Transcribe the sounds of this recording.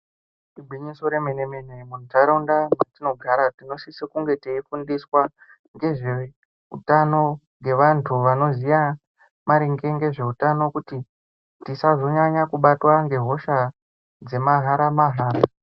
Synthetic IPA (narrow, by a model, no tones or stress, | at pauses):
ibʱwiɲiso̞ɾemenemenemuntʰaɾaundamwetino̞ɡʱaɾatino̞sisekuŋɡe̞tiifundiswa | ŋɡe̞ʐe̞ | ṵtano̞ŋɡe̞ʋantʰuʋano̞zija | maɾiŋɡe̞ŋɡe̞ʐe̞utano̞kuti | tisazo̞ɲaɲakuɓatwaŋɡe̞ɦo̞ʃa | d͡ze̞maɦaɾamaɦaːɾa